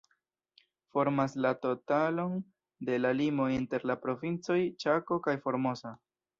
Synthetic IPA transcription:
fo̞ɾmaslato̞talo̞n | de̞lalimo̞inte̞ɾlapɾo̞vint͡so̞jt͡ʃako̞kajfo̞ɾmo̞sa

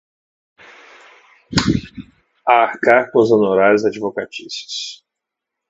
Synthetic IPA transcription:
aːhkaɾkõzonoɾaɾʊzad͡ʒivokat͡ʃisu̥s

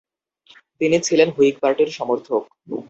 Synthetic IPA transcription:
t̪init͡ɕʰilenɦuik̚paɾʈeɾʃɔmoɾt̪ʰok̚

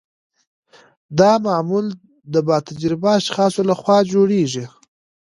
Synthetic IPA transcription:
d̪ɑmɑːmul | d̪əbɑt̪ad͡ʒɾɪbaːʃχɑsolaxwɑd͡ʒoɽeʐi

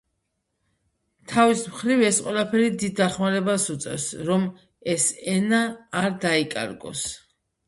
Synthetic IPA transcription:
t̪ʰavismχɾivɛsqʼwɛlˠapʰɛɾid̪id̪ːaχmaɾɛbasut̪sʼɛ̰fsɾɔm | ɛsɛnaːɾd̪aikʼa̰ɾɡɔ̰s

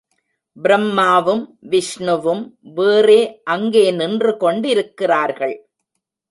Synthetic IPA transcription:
bɪɾɐmːaːʋɯmʋɪʂɳɯʋɯmʋeːreːʔɐŋɡeːnɪndrɯkɔɳɖɪɾɯkːɪraːɾɣɐɭ

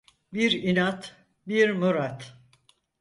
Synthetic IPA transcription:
biɾinat̪ | biɾmuɾat̪

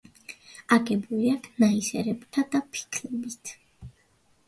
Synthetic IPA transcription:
aɡɛbuliakʰnaisɛɾɛbt̪ʰad̪apʰi̥kʰlɛbit̪ʰ

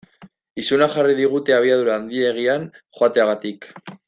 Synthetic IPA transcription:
isunaxarið̞iɣ̞ut̪e̞aβ̞iaðuɾaːnd̪ie̞ɣ̞ianxoat̪e̞aɣat̪ik

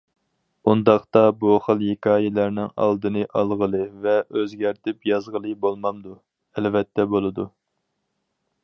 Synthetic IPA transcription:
und̪ɑχt̪ɑbuχəlˠjekʰʲɑːjɪlæɾnɪŋɑ̰lˠd̪ɨnɨʔɑ̰lˠʁəlˠɨvɛʔøzɡʲæɾt̪ʰɪpjɑzʁəlˠɨbolˠmɑmd̪u | ɛlvɛt̪ʰːɛbolˠɨd̪u

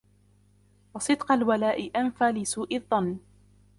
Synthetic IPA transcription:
wɑsˤɨd̪qɑlwalaːʔɪʔanfaːlɪsuːʔɪðˤːɑnː

